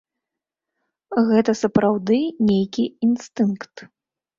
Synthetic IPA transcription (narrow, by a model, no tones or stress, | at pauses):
ɣɛt̪ɐsɐpɾawd̪ɨnʲejkʲiinst̪ɨnkt̪